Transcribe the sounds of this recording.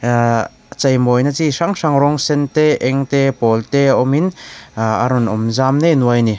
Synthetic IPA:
t͡sɐjmɔjnat͡sisaŋʂaŋɾɔŋsɛnt̪eʔɛŋt̪epɔlteɔmin | a̰ɾɔnɔmzamnenuajni

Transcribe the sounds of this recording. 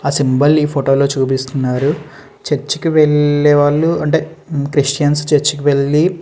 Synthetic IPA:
aːsimbɐliːpʰoːʈoːlo̞ːt͡ʃuːp̬ist̪unːaːɾu | t͡ʃeɾt͡ʃːi̥kiʋeɭːɛːʋaːɭːuɐɳʈe̞ːkɾiʂʈjɐnst͡ʃeɾt͡ʃːikiʋe̞ɭːi

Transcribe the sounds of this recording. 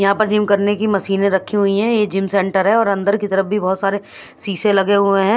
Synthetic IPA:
jɐɦãpɐɾd͡ʒɪmkɐɾnekimɐsiːnẽɾɐkʰːiɦʊiɦɛ̃jed͡ʒɪ̃msɛ̃ːɳʈəɾɦɛɔːɾɐ̃nd̪əɾkit̪ɐɾəfbʱibɔɦːt̪saːɾe | siːsẽlɐɡeɦʊẽɦɛ̃ː

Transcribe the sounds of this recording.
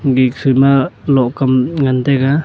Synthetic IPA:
ɡik̚sujmalɔʔkamŋant̪ɛɡa

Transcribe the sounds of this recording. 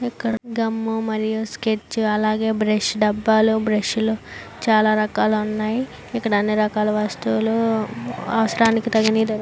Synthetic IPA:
ikːɐɽɡɐmːumɐɾijusket͡ʃːɐlaːɡe̞ːbɾeʃɖɐbːaːlubɾeʃulo | t͡ʃaːlaːɾɐkaːlɐunːaːji | ikːɐɽɐɐnːiɾɐkaːlɐʋast̪ulo | ɐ̰ʋɐsɐɾaːnikit̪ɐɡɐnid̪ɐɾ

